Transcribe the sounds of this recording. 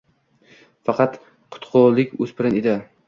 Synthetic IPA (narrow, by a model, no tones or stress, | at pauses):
fɑqɑt̪ | qʰʊ̥t̪qʰɒlːɪkʲɵspʰɪɾɪned̪ɪ